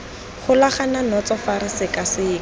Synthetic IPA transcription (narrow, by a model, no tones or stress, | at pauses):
χʊlaχananɔt͡sɔfaɾɪsɪkasɪːŋɔ